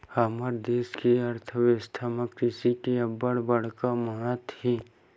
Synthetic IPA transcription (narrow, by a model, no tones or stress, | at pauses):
haməɾd̪eːskiɐɾt̪ʰəʋest̪ʰaːməkt̪ɪsikiɐbəɽbɐɽ̤kaməɦət̪hiː